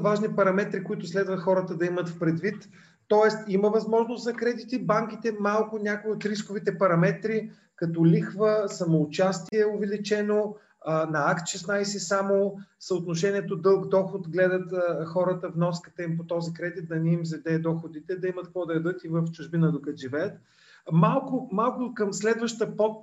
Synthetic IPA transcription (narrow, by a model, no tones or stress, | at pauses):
vaʒnipɐɾɐmɛt̪ɾikoit̪ʊslɛd̪vəxɔɾət̪əd̪ɐimət̪fpɾɛd̪vit̪ː | ɔɛst̪iməvɐzmɔʒnost̪zɐkɾɛd̪it̪ibaŋkit̪ɛmalˠkʊnʲakoiot̪ɾiskʊvit̪ɛpɐɾɐmɛt̪ɾi | kɐt̪ɔlixvəsɐmoːt͡ʃast̪iɛʊvɛlit͡ʃɛno | nɐakt̪ʃɛsnajsɛsamosəot̪noʃɛniɛt̪od̪ɤlˠkd̪ɔxʊt̪ɡlɛd̪ət̪əxɔɾət̪əvnɔskə̥t̪əimpot̪ɔzikɾɛd̪it̪̚d̪ɐniːmzɛd̪ɛd̪ɔxʊd̪it̪ɛd̪ɐimət̪kvɔd̪ɐɐd̪ɤt̪ivəft͡ʃʊʒbinəd̪okɐt̪ʒivɛət̪̚ | malˠkʊmalˠkʊkɐmslɛd̪vəʃt̪əpɔt̪